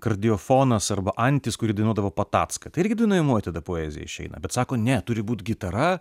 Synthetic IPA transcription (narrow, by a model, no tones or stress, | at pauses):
kɐrd̪ʲɪofoːnɐsɐrbɐʔɐnʲt̪ʲɪskʊɾʲiːd̪ɐɪnuɔːd̪ɐʋoːpɐt̪ɑ̰ːt̪skɐt̪ɐɪɪɾʲɡʲɪd̪ʋʲɪnoːjɪmoɔjt̪ɐd̪ɐpoːɛzʲɪjɛ̰ɪʃʲɛ̰ɪnɐ̰bʲɛt̪sɑːkoːnʲɛt̪ʊɾʲɪbuːt̪ʲɡʲɪt̪ɐɾɐ